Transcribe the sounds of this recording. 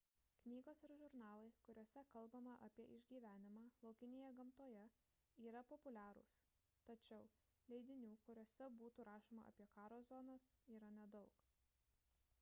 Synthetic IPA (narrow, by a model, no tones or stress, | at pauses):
knʲiːɡoːsɪɾʒʲʊɾnɑːlˠɐɪkʊɾʲoːsʲɛkɐlˠbɐmɐʔɐpʲiɛʔɪʒʲɡʲiːʋʲæːnʲɪmɑːlˠɐʊkʲɪnʲeːjɛɡɐmt̪oːjɛ | iːɾɐpɔpʊlʲæːɾʊ̰ːs | t̪ɐt͡ʃʲɛʊ | lʲɛɪd̪ʲɪnʲuːkʊɾʲoɔsʲɛbuːt̪uːɾɑːʃoːmɐ̰ʔɐ̰pʲiɛkɑːɾoːzɔnɐsiːɾɐnʲɛd̪ɒʊk